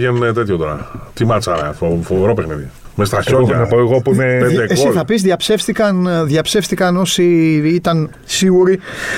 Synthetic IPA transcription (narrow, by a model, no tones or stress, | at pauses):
jenuet̪et̪çot̪o̞ɾɐ̰t̪imɐt͡sɐɾɐ̰ofoveɾo̞pexniði | mest̪ɾɐçonɐpoeɣopuinepeeeksoiθɐpizðʝɐpse̞fst̪ikɐnðjɐpse̞fst̪ikɐno̞siit̪ɐn | siɣuɾi